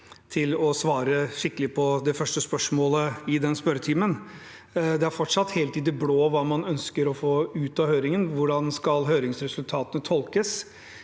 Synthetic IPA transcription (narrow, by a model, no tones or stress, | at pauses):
t̪ʰɪlɔsʋɑːɾəʂɪkːəlɪpʰɔd̪ɛfœʂʈəspœʂmoːləɪd̪ɛnspœɾət̪ʰiːmən | d̪ɛæɾfɔʈʂɑt̪ːheːlt̪ɪd̪ɛbloːʋɑːmɑnœnskəɾɔfoːʉːt̪ɑhøːɾɪŋənʋʊɖɑnskɑlɦøːɾɪŋsɾɛsʉlt̪ʰɑːt̪ənət̪ʰɔlkəs